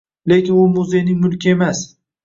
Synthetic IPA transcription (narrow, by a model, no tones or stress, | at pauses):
le̞kʲɪnʊmʊzejnɪŋmʊlkʲie̞mas